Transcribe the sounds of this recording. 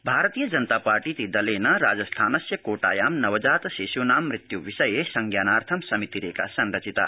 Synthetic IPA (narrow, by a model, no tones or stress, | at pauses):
bʱaːɾət̪ijɐd͡ʒɐnt̪aːpaːɾʈit̪id̪ɐleːnɐɾa̰ːd͡ʒɐst̪ʰaːnɐsjɐkoːʈa̰ːjaːmnɐʋɐd͡ʒaːt̪seːʃuːnaːmːɾit̪juʋiʃɐjesɐŋɡjaːnaːɾt̪ʰɐmsɐmit̪iɾḛːka̰sɐnɾɐt͡ʃit̪a̰